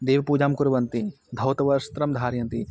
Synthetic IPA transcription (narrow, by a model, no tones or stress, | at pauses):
d̪eːʋpuːd͡ʒaːmkuɾʋɐnt̪i | d̪ʱɐwt̪ɐʋɐɾst̪ɾɐmd̪ʱaːɾjɐnt̪i